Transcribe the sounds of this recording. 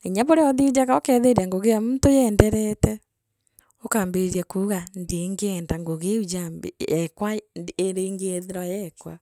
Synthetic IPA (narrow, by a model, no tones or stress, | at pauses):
eɲaβoɾeɔðiud͡ʒaɣaokɛðeɾiaŋɡoɣejamuntojɛndɛɾɛtɛ | okaːmbeɾiakuːɣandeŋɡeɛndaŋɡoɣeud͡ʒambḛɛkwaeɾeŋɡeɛðeɾajɛkwa